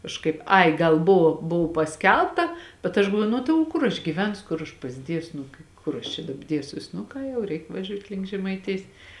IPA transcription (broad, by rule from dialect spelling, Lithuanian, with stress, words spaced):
kɐʃˈkɐɪp ˈɐɪ ˈɡɐlˠ ˈbʊʋoː ˈbʊw pɐˈsʲkʲɛlˠptɐ bʲɛt ɐʃ ɡɐlˠˈʋuɔjʊ ˈnʊ tɐɪ oː ˈkʊr ɐʃ ɡʲiːˈʋʲɛnsʊ ˈkʊr ɐʃ pɐzʲˈdʲiɛsʊ ˈnʊ kʲɪ ˈkʊr ɐʃ t͡ʃʲɛ ˈdɑːbɐ ˈdʲiɛsʲuɔs nʊ ˈkɑː jɛʊ ˈrʲɛɪk ʋɐˈʒʲuːtʲ lʲɪŋk ʒʲɛmɐɪˈtʲɪjs